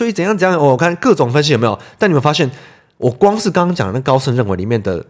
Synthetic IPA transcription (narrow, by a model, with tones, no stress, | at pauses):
swɔ˧˥i˧˨˩t͡sə˨˩njŋt͡sə˨˩˦jɑ˥˨˩wwɔ˨˩kʰa˥˨nkɤ˥˩ʈ͡ʂʊ˨˩˦ŋfə˥nɕ̬i˧˨o˨˩me˧˥jo˨˩t̪a˥˩ni˨˩ə˦nfa˥ɕjɛ˥˩n | ʔɔ˨˩kwɑ˥ŋʂɻ̩˥˩kɑ˥ŋkɑ˥ŋt͡ɕɑ˨˩d̪ə˦n˥˩ɡə˧kɑ˥ʊʂə˥˧nɻə˥˩nwe˧˥li˨˩mjɛ˥˩nd̪ə̰˩